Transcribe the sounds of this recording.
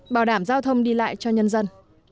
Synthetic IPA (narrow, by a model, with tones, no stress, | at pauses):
ɓaː˧˩wɗaː˧˩mzaː˧wt̪ʰə˧wŋ͡mɗi˧la̰ː˧˨jt͡ɕɔ˧ɲə˧nzə˧n